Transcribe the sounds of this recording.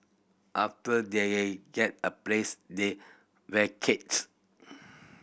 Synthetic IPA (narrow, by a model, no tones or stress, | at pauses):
ʔaftədeɡɛt̚əplesde | wɛkʰet̚s